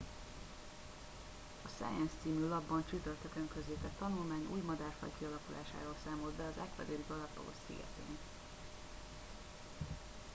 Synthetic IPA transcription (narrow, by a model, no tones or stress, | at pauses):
ɒsa̰ːjɛnst̪siːmylɒbːɒnt͡ʃyt̪ørt̪økøŋkøzeːk̪ɛt̪ːɒnulmaːɲṵːjmɒd̪aːrfɒ̰jkiɒlɒkula̰ːʃa̰ːɾoːlsaːmold̪bɛɒzɛkʋɛ̰d̪eːliɡɒlɒt̪ɒ̰ɡo̰t̪sḭɡɛ̰t̪ḛːn